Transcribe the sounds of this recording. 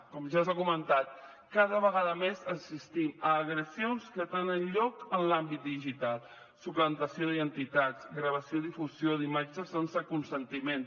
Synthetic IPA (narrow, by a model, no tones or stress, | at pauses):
kɔmʒazaɣumənt̪at̪̚ | kaðəβəɣaðəmezənsist̪iməːɣɾəsionskət̪enənʎɔkənlambit̪̚d̪iʒit̪alˠ | suplənt̪əsioðiənt̪it̪ad͡zɡɾəβ̞əsioðifuzjoðimad͡ʒəsensəkunsənt̪imen